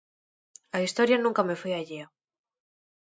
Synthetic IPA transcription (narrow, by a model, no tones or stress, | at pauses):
aist̪oɾjanũŋkamefujaʎia